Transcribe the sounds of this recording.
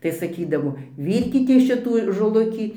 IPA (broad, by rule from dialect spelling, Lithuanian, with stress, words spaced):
tɐɪ sɐˈkʲiːdɐʋoː ˈʋʲiːrʲkʲɪtʲeːs ˈʃʲɪtuː ʒoːˈlˠʊkʲiː